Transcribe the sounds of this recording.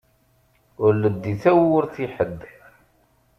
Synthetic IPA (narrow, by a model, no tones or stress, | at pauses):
ʊɾləd̪ːiθæwʊɾθiħəd̪ː